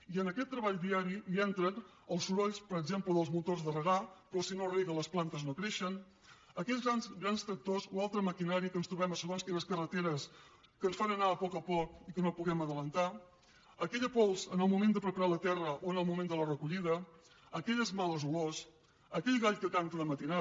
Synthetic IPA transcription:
iənəkɛt̪ːɾəβaʎd̪iaɾiliɛnt̪ɾən | əlˠsuɾɔʎspəɾəɡzempləðəlˠzmut̪orzðərəɣapɾɔsinoriɣələsplant̪əznokɾeʃən | əkɛzɣɾanzɣɾanst̪ɾək̚t̪ozoalˠt̪ɾəməkinaɾikənst̪ɾuβɛməsəɣonskɛʎəskərət̪eɾəs | kənsfanənaəpɔkəpɔkikənopuɣɛməðələnt̪a | əkɛʎəpɔlˠzənəlˠmumẽnd̪əpɾəpəɾalət̪ɛrəʔoənəlˠmumẽnd̪ələrəkuʎiðə | əkɛʎəzmaləzulos | əkɛʎɣaʎkəkaŋk̪əðəmət̪ina

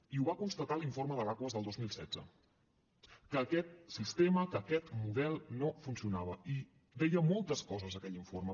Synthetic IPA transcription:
iuβakunst̪ət̪aliɱforməðəlakwəzðəlˠd̪ozmilˠsɛ̰d͡zə̰ | kəːkɛt̪̚sist̪eməkəːkɛt̪muðɛlˠnofunsiunaβ̞əi | dɛjəmɔlˠt̪əskɔzəzəkɛʎiɱformə

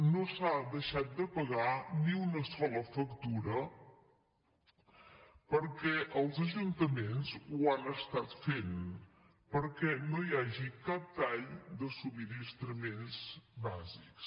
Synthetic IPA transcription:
nosad̪əʃat̪̚d̪əpəɣaniunəsɔləfəkt̪uɾə | pəɾkɛʔəlˠzəʒunt̪əmenzuanəst̪at̪fen | pəɾkɛnojaʒikap̚t̪aʎd̪əsumiɾist̪ɾəmenzbaziks

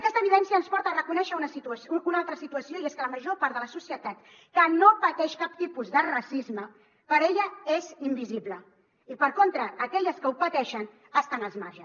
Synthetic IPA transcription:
əkɛst̪əβiðɛnsiənspɔɾt̪əːrəkunɛʃəunəsit̪usunalˠt̪ɾəsit̪uəsioieskələməʒopaɾt̪ðələsusiət̪at̪ | kənopət̪ɛʃkap̚t̪ipuzðərasizmə | pəɾeʎəezimbiziβlə | ipəɾkont̪ɾəːkɛʎəskəupət̪ɛʃən | əst̪anəlˠzmaɾʒə

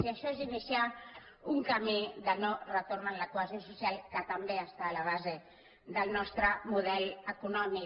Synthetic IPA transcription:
siaʃɔezinisja | uŋkamiðənorət̪oɾnanlakwazjonsusialkət̪ambeəst̪aːlaβ̞aze | ðəlnɔst̪ɾəmuðɛləkunɔmi

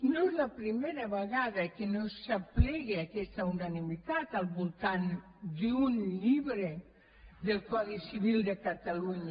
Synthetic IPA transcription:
nozlapɾimeɾaβeɣaðakenosːaplɛɣeakɛst̪aunanimit̪at̪alˠβulˠt̪an | d̪iunʎiβɾe | ðelkwaðisiβild̪ekat̪aluɲa

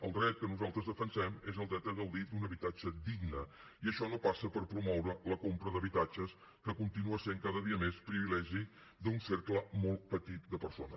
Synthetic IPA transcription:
əlˠd̪ɾɛt̪̚kənuzalˠt̪ɾəzðəfənsɛmezəlˠd̪ɾɛt̪əðəlˠd̪id̪unəβit̪ad͡ʒəd̪iɡnə | iəʃɔnopasəpəɾpɾumɔwɾələkompɾəðəβit̪ad͡ʒəs | kəkunt̪inuəseŋkaðəðiəmespɾiβilɛʒi | d̪unseɾkləmolˠt̪̚pət̪it̪̚d̪əpəɾso̰nə̰

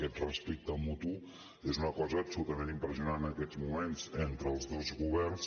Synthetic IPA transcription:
kɛt̪rəspik̚t̪əmut̪u | ezunɐkɔzəːbsulut̪ɐmẽnt̪impɾəziunannɐkɛzmumẽnt̪sent̪ɾəlˠzðozɣuβɛɾs

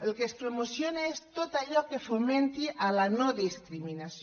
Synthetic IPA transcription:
elkespɾomusjonaest̪ot̪aʎɔkefomẽnt̪iʔalanoðiskɾiminasj

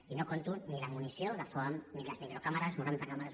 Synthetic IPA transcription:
inokont̪unnilamunisjoðəfomnilazmikɾokamaɾaznuɾant̪akamaɾaz

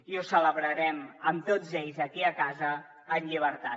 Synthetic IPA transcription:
iusələβɾəɾɛməmt̪od͡zeʎzəkiəkazəː | nʎiβ̞əɾt̪a

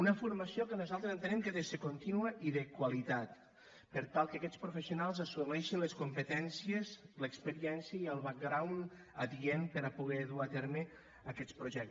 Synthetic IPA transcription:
unəfuɾmasiokənuzalˠt̪ɾezənt̪ənɛmkeðesekunt̪inuəʔiðəkwalit̪at̪ | pəɾt̪alˠkeakɛt͡spɾufesiunalˠzasumɛʃinləskumpət̪ɛnsjezləkspəɾiɛnsiəiəlˠβak̚ɡɾawn | əðiempəɾapuɣɛðuat̪eɾme | akɛt̪spɾuʒɛk̚t̪

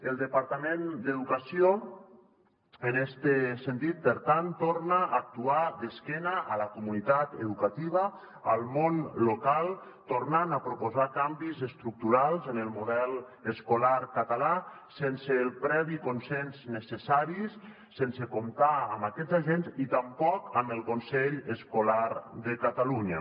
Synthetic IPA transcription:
əlˠd̪əpaɾt̪amẽnd̪eðukasio | enɛst̪əsent̪it̪̚pəɾt̪ant̪oɾnaʔːk̚t̪uad̪əskɛnaʔalakumunit̪at̪ḛðukat̪iβ̞ə | əlˠmonlokalˠ | t̪oɾnanapɾopozakambizəst̪ɾuk̚t̪uɾalˠzənəlˠmuðɛlˠ | əskolaɾkat̪ala | senseːlˠpɾɛβikonsɛnznəsesaɾisː | ensekomt̪aəmbakɛd͡zzaʒenzit̪ampɔkəməlˠkonsɛʎəskolaɾd̪əkat̪aluɲa̰

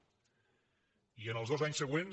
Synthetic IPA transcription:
iənəlˠzðɔzaɲsəɣwen

